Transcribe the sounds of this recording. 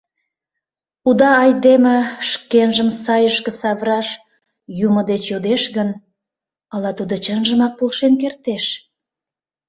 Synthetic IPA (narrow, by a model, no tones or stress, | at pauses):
ud̪ɑːjd̪emə̆ʃkenʒəmsɑjəʃkə̆sɑβrɑʃ | juməd̪et͡ɕjod̪eʃɣən | ɑlɑt̪ud̪ot͡ɕənʒəmɑk̚polʃenk̬ert̪eʃ